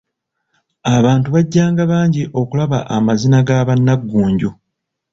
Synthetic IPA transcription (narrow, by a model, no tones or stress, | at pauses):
aβaːntuβaɟːaːŋɡaβaːɲɟiʔo̞kulaβa̰ʔamazinaɡaːβanːaɡːuːɲɟo